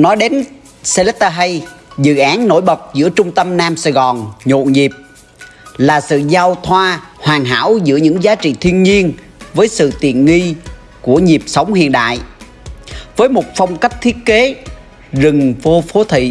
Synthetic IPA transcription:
nɔ˨˦jɗe˨˦n | se˧lɛ˦˥t̚t̪aː˧ɦə˧jzɨ̰˧˨ʔaː˨˦nno̰˧˥˩jɓə˨˩t̚zɨ̰˧˥ət͡ɕʊ˧ŋ͡mt̪ə˧mnaː˧msaː˧˩jɣɔ˨˩nɲo̰˧˨nɲi˨˩p̚ | laː˨˩sɨ̰˧˨zaː˧wt̪ʰwaː˧hwaː˨˩ŋɦa̰ː˧˥wzɨ̰˧˥əɲɨ̰˧˥ŋzaː˨˦t͡ɕḭ˧˨t̪ʰi˧ənɲi˧ən | vəː˨˦jsɨ̰˧˨t̪ḭ˧˨ənŋi˧ | ku˧˩əɲi˨˩p̚sə˨˦wŋ͡mhḭ˧˨ənɗa̰ː˧˨j | vəː˨˦jmo˨˩t̚fə˧wŋ͡mka˦˥jp̚t̪ʰi˦˥ət̚ke˨˦ | zɨ˨˩ŋvo˧fo˨˦t̪ʰḭ˧˨

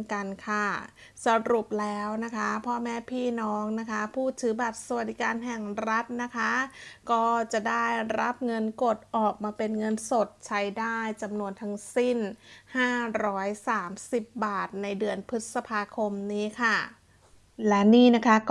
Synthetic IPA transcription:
ka˧nkʰa˥˩ | sa˧ɾu˨˩p̚lɛː˦˥wna˦˥kʰa˦˥pʰɔ˦˥mɛː˦˥pʰiː˥˩nɔː˦˥ŋna˦˥kʰa˦˥pʰuː˥˩t̪ʰːɯː˩˦baː˨˩p̚sa˧wa˨t̪̚di˦kaː˧nɦɛ˨˩ŋɾa˦˥t̪̚na˦˥kʰa˦˥kɔː˥˩t͡ɕa˨˩ʔdaː˥˩jɾa˦˥p̚ŋɤ˧nko˨˩t̪̚ʔɔː˨˩k̚maː˧pe˧nŋɤ˧nso˨˩t̪̚t͡ɕʰa˦˥jdaː˥˩jt͡ɕa˧mnu˧ənt̪ʰa˦˥ŋsi˥˩nhaː˥˩ɾɔː˦˥jsaː˩˦msi˨˩p̚baː˨˩t̪̚na˧jdɯ˧ənpʰɯ˦˥t̪̚sa˧pʰaː˧kʰo˧mniː˦˥kʰa˥˩ | lɛ˦˥niː˥˩na˦˥kʰa˦˥

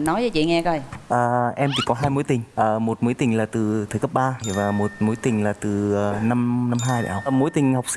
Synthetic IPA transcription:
nɔ˨˦jzəː˨˦t͡ɕḭ˧˨ŋɛ˧kə˧˩jʔəː˨˩ʔɛ˧mt̪ʰi˨˩kɔ˨˦ɦaː˧jmo˨˦jt̪ï˨˩ŋ̟ʔəː˨˩mo˨˩t̚mo˨˦jt̪ï˨˩ŋ̟laː˨˩t̪ɨ˨˩t̪ʰə˨˩kə˦˥p̚ɓaː˧vaː˨˩mo˨˩t̚mo˨˦jt̪ï˨˩ŋ̟laː˨˩t̪ɨ˨˩əː˨˩na˧mna˧mɦaː˧jɗa̰˧˨˩hə˧˩mo˨˦jt̪ï˨˩ŋ̟ha˨˩wk͡p̚si˧

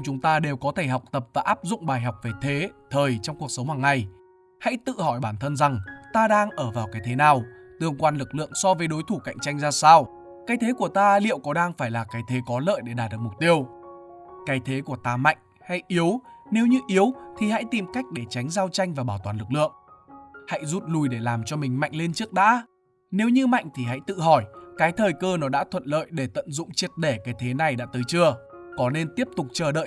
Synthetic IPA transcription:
t͡ɕʊ˨˦ŋ͡mt̪aː˧ɗe˨˩wkɔ˨˦t̪ʰe˧˩ɦa˨˩wk͡p̚t̪ə˨˩p̚vaː˨˩ʔaː˦˥p̚zʊ̰˧˨ŋ͡mɓaː˨˩jɦa˨˩wk͡p̚ve˨˩t̪ʰe˨˦t̪ʰəː˨˩jt͡ɕɔ˧wŋ͡mku˨˩ək̚sə˨˦wŋ͡mhwaː˨˩ŋːa˨˩j | ha̰˧˥jt̪ɨ̰˧˨hɔ˧˩jɓaː˧˩nt̪ʰə˧nza˨˩ŋt̪aː˧ɗaː˧ŋʔəː˧˩vaː˨˩wkaː˨˦jt̪ʰe˨˦naː˨˩wt̪ɨ˧˩əŋkwaː˧nlɨ˨˩k̚lɨ̰˧˨əŋsɔ˧vəː˨˦jɗo˨˦jt̪ʰu˧˩ka̰˧˨jŋ̟t͡ɕa˧jŋ̟zaː˧saː˧w | kaː˨˦jt̪ʰe˨˦ku˧˩ət̪aː˧lḭ˧˨əwkɔ˨˦ɗaː˧ŋfaː˧˩jlaː˨˩kaː˨˦jt̪ʰe˨˦kɔ˨˦lə̰ː˧˨jɗe˧˩ɗaː˨˩t̚ɗɨ˨˩ək̚m˨˩k͡p̚t̪i˧əw | kaː˨˦jt̪ʰe˨˦ku˧˩ət̪aː˧ma̰˧˨jŋ̟ | ha̰˧˥jʔi˨˦əwne˨˦wɲɨ˧ʔi˨˦əwt̪ʰi˨˩ha̰˧˥jt̪i˨˩mka˦˥jk̟̚ɗe˧˩t͡ɕa˨˦jŋ̟zaː˧wt͡ɕa˧jŋ̟vaː˨˩ɓaː˧˩wt̪waː˨˩nlɨ˨˩k̚lɨ̰˧˨əŋha̰˧˥jzu˦˥t̚lu˨˩jɗe˧˩laː˨˩mt͡ɕɔ˧mï˨˩ŋ̟ma̰˧˨jŋ̟le˧nt͡ɕɨ˦˥ək̚ɗa̰ː˧˥ | ne˨˦wɲɨ˧ma̰˧˨jŋ̟t̪ʰi˨˩ɦa̰˧˥jt̪ɨ̰˧˨ɦɔ˧˩jkaː˨˦jt̪ʰəː˨˩jkəː˧nɔ˨˦ɗa̰ː˧˥t̪ʰwə̰˧˨nlə̰ː˧˨jɗe˧˩t̪ə̰˧˨nzʊ̰˧˨ŋ͡mt͡ɕi˦˥ət̚ɗe˧˩kaː˨˦jt̪ʰe˨˦na˨˩jɗa̰ː˧˥t̪əː˨˦jt͡ɕɨ˧əkɔ˨˦ne˧nt̪i˦˥əp̚t̪ʊ˨˩k͡p̚t͡ɕəː˧˩ɗə̰ː˧˨ʔ

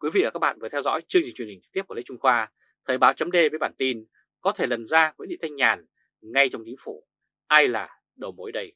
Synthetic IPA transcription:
kwi˨˦vḭ˧˨vaː˨˩aː˦˥k̚ɓa̰ː˧˨nvɨ˨˩ət̪ʰɛ˧wzɔ̰˧˥jt͡ɕɨ˧ŋzi˨˩t͡ɕwi˨˩nhi̟˨˩t͡ɕɨ̥˧˦˥t̪i˥p̚kːlḭ˧˥˦t͡ɕʊ˧ŋ͡mxwaː˧ | t̪ʰəː˨˩jɓaː˨˦wt͡ɕə˨˦mɗe˧vəː˨˦jɓaː˧˩nt̪i˧n | kɔ˨˦t̪ʰe˧˩lə˨˩nzaː˧wṵ˧˥˦ɗḭ˧˨t̪ʰa˧ŋɲaː˨˩n | ŋa˧jt͡ɕɔ˧wŋ͡mt͡ɕi˨˦ŋfu˧˩ | ʔaː˧jla̰ː˨˩ | ɗə˨˩wmo˨˦jɗə˧j

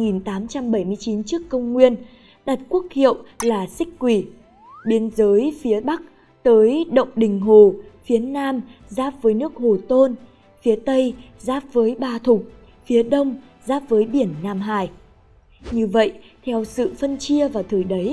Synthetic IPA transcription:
ŋi˨˩nt̪aː˨˦mt͡ɕa˧mɓə˧˩jmɨ˧əjt͡ɕi˨˦nt͡ɕɨ˦˥əkːə˧wŋ͡mŋwi˧ən | ɗa˨˩t̚ku˦˥ək̚hḭ˧˨əwlaː˨˩sï˦˥k̟̚kwi˧˩ | ɓi˨˦ənzəː˨˦jfi˨˦ɓa˦˥k̚ | t̪əː˨˦jɗə̰˧˨wŋ͡mɗï˨˩ŋ̟ɦo˨˩fi˨˦ənaː˧m | zaː˦˥p̚vəː˨˦jnɨ˦˥ək̚ho˨˩t̪o˧n | fi˨˦ət̪ə˧j | zaː˦˥p̚vəː˨˦jɓaː˧˩t̪ʰʊ˨˩k͡p̚ | fi˨˦əɗə˧wŋ͡m | zaː˦˥p̚vəː˨˦jɓi˧˩ənːaː˧mɦaː˧˩j | ɲɨ˧və̰˧˨jʔt̪ʰɛ˧wsɨ̰˧˨fə˧nt͡ɕi˧əvaː˨˩wt̪ʰəː˨˩jɗə˨˦j

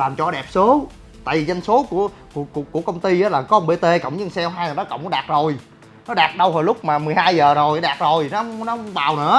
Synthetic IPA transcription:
laː˨˩mt͡ɕɔ˧ɗɛ˨˩p̚so˨˦ | t̪a̰ː˧˨jvi˨˩za˧jŋ̟so˨˦ku˧˩ə | kkku˧˩əkə˧wŋ͡mt̪i˧ʔaː˨˦laː˨˩kɔ˧˦˧ŋ͡mɓe˧t̪e˧kə̰˧˨wŋ͡mɲɨ˧ŋsɛ˧wɦaː˧jə˨˩ɗɔ˨˦kə̰˧˨wŋ͡mkːɗaː˨˩t̚zo˨˩j | nɔ˨˦ɗaː˨˩t̚ɗə˧wɦo˨˩jlʊ˦˥k͡p̚maː˨˩mɨ˨˩jhaː˧jzəː˨˩zo˨˩jɗaː˨˩t̚zo˨˩jn˨˦˧nɔ˨˦˧ŋ͡mɓaː˨˩wnɨ̰˧˦ə

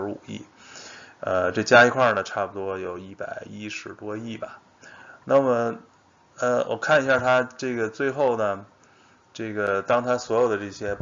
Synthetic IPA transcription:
ṵ˨˩ḭ˥˩ | ə˧ʈ͡ʂɤ˥˩t͡ɕja˥i˥kʰwa˥˩nə˩ʈ͡ʂʰa˥˩pu˩t̪wɔ˥jo˨˩ʊi˥˩pa˨˩ɪi˥ʂɻ̩˧˥t̪wɔ˥i˥˩bɐ˩ | na˥˩mə˩ | ə˧wʔɔ̰˨˩kʰa˥˩ni˧˥ɕja˥˩t̪ʰa˥ʈ͡ʂɤ˥˩ɡə˩t͡swe˥˧ɪxo˥˩ʊnə˩ | ʈ͡ʂɤ˥˩ɡə˩t̪ɑ˥ŋt̪ʰa˥swɔ˧˥jo˨˩ʊd̪ə˩ʈ͡ʂɤ˥˩ɕjɛ˥

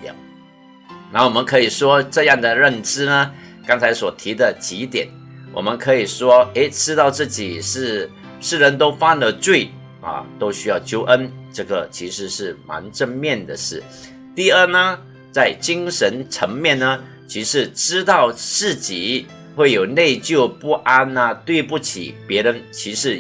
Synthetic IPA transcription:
na˧˥wɔ˨˩mə˧˦nkʰɤ˧˥i˨˩ʂwɔ˥ʈ͡ʂɤ˥˧jɑ˥˩ŋd̪ə˩ɻə˥˩nʈ͡ʂɻ̩˥nə˨kɑ˥ŋt͡sʰa˧˥ɪswɔ˨˩t̪ʰi˧˥d̪ə˨t͡ɕi˧˥t̪jɛ̰˨˩˦n | wʔɔ̰˨˩mə˦nkʰɤ˧˥i˨˩ʂwɔ˥e˧˥ɪʈ͡ʂɻ̩˥t̪ɑ˥˧ʊt͡sɹ̩˥˩t͡ɕi˨˩ʂɻ̩˥˧ | ʂɻ̩˥˩ɻə˧˥nt̪o˥ʊfa˥nə˧t͡swe˥˩ɪ | ɐ̰˨˩t̪o˥ʊɕy˥jɑ˥˩ʊt͡ɕjo˥ʊʔə˥nʈ͡ʂɤ˥˩ɡə˩t͡ɕʰi˧˥ʂɻ̩˧˥ʂɻ̩˥˩ma̰˧˥nʈ͡ʂə˥˧nmjɛ˥˩nd̪ə˩ʂɻ̩˥˩ | t̪i˥˧ə˞˥˩nə˩ | t͡sa˥˩ɪt͡ɕi˥ŋʂə˧˥nʈ͡ʂʰə˧˥ŋmjɛ˥˩nnə˧ | t͡ɕʰi˧˥ʂɻ̩˧˥ʈ͡ʂɻ̩˥t̪ɑ˥˩˧ʊt͡sɹ̩˥˩t͡ɕi˨˩˦ | xwe˥˩ɪjo˨˩ʊne˥˧ɪt͡ɕjo˥˧ʊpu˥˩ʔa˥nɐ˨t̪we˥˧ɪpu˥˩t͡ɕʰḭ˨˩pjɛ˧˥ɻə˧˥nt͡ɕʰi˧˥ʂɻ̩˧˥

